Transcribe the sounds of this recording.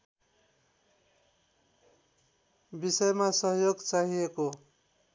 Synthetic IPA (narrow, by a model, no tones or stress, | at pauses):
bisʌjmasʌɦjoɡt͡saɦieko